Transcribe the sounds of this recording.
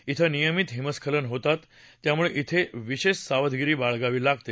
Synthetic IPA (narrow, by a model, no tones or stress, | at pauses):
it̪ʰənijəmit̪ɦiməskʰələnɦot̪at̪ː | jamuɭeʔit̪ʰeʋiɕeɕsaʋəd̪ʱɡiɾiːbaɭɡaʋiːlaɡ̚t̪e